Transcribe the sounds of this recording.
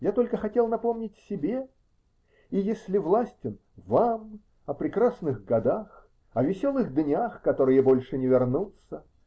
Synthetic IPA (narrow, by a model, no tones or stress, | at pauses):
jat̪o̞lʲkəxɐtʲe̞lˠnɐpo̞mnʲɪtʲsʲɪbʲe | ijesʲlʲɪvlˠasʲtʲɪn | vam | ɐpɾʲɪkrasnɨɣɡɐd̪ax | ɐvʲɪsʲo̞lˠɨɣd̪nʲaxkɐt̪o̞ɾɨjəbo̞lʲʂɨnʲɪvʲɪrnut̪sə